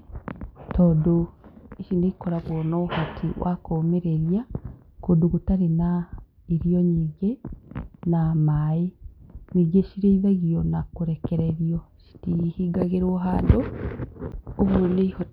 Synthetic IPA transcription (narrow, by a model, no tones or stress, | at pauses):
tʰɔdoeʃindeikoɾaβɔnɔhatʰḭwʔa̰komeɾeɾja | koduɣutaɾena | iɾijɔɲiːɡe | namaeɲiːɡeʃiɾeiβaɣiɔnakoɾekɛɾeɾjɔʃi̥tihiɡaɣeɾoɦaːndo | βuneho